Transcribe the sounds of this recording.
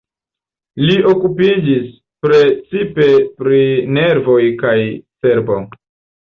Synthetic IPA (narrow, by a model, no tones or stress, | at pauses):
lio̞kupid͡ʒis | pɾe̞t͡sipe̞pɾine̞ɾvo̞jkajse̞ɾbo